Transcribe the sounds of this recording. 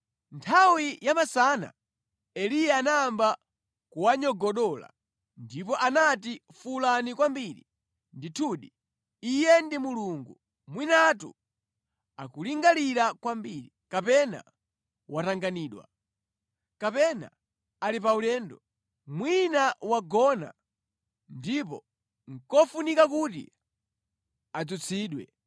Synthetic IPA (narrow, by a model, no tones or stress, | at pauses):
ntʰawijamasana̰ | ɛlijaːnamba | kuwaɲɔɡɔɗɔla̰ | ndipɔʔanatifulanikwambiɾi | nditʰuːɗi | ijɛndimuluŋɡu | mwinatṵ | akuliŋɡaliɾakwambiːɾikapɛna̰ | wataŋɡaniːɗwa̰ | kapɛna̰ | alipaulɛːndɔ | mwinawaɡɔna̰ | ndip̬ɔ | ŋ̩kɔfunikakutḭ | ad͡zut͡sʰiːɗwɛ̰